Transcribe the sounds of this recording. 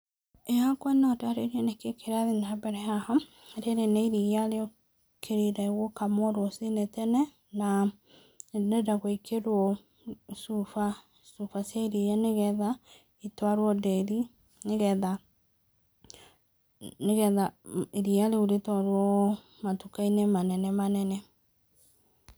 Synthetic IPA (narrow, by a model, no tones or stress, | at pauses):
eakwɛnɔtaɾeɾiɛnekekeɾaðenaabɛɾɛahɔ | ɾeɾeneiɾialeo | kʰeɾeɾaeɣokamwɔɾwɔsenetɛnɛ | na | nedaɣwikʰeɾwɔ | sufa | sufasjaiɾijaneɣɛða | itwaɾwɔdɛɾi | nɣða | ɣɛðaiɾialeuɾetwaɾwɔ | matukainemanɛnɛmanɛnɛ